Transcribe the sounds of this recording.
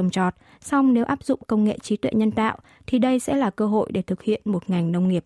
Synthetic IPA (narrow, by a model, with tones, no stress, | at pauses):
wŋ͡mt͡ɕɔ˨˩t̚ | sa˧wŋ͡mne˨˦wʔaː˦˥p̚zʊ̰˧˨ŋ͡mkə˧wŋ͡mŋḛ˧˨t͡ɕi˨˦t̪wɛ̰˧˨ɲə˧nt̪a̰ː˧˨w | t̪ʰi˨˩ɗə˧jsɛ̰˧˥laː˨˩kəː˧ɦo̰˧˨jɗe˧˩t̪ʰɨ˨˩k̚hḭ˧˨ənmo˨˩t̚ŋa˨˩jŋ̟nə˧wŋ͡mŋi˨˩əp̚